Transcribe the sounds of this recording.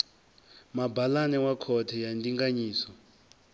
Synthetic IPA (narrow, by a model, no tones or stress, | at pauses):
mabʱalanɛwakʰɔtʰɛjandiŋɡaɲiːsɔ